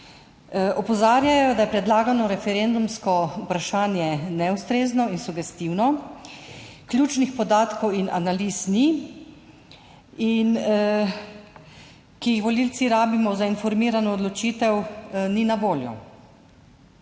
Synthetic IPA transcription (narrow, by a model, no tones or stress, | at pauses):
ɔpɔzaːɾjajɔd̪ajɛpɾɛd̪laːɡanɔɾɛfɛɾend̪umskɔupɾaʃaːnjɛnɛust̪ɾeːznɔinsuɡɛst̪iwnɔ | klʲjuːt͡ʃnixpɔd̪aːt̪kɔwina̰naliːsni | in | kijixʋɔlilt̪siɾaːbimɔzainfɔɾmiːɾanɔːd̪lɔt͡ʃiːt̪ɛwninaʋoːljɔ̰